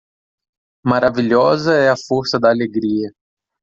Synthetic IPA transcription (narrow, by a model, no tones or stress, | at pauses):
maɾaviʎɔzɐɛɐfoɾsɐd̪aːleɡɾiɐ